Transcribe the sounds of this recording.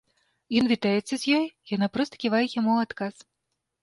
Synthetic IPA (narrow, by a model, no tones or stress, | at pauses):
jɔnvʲit̪ajɛt̪sːɐzʲjɔjjanapɾɔst̪ɐ̥kʲivajɛjamuat̪kas